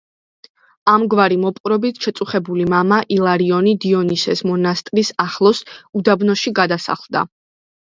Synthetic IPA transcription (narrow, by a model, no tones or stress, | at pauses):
amɡvaɾimɔpʼqʼɾɔbit̪ʰʃɛt̪sʼuχɛbulimamaʔilˠaɾiɔnid̪iɔnisɛsmɔnast̪ʼɾisaχlˠɔsud̪abnɔʃiɡad̪asa̰χlˠd̪a̰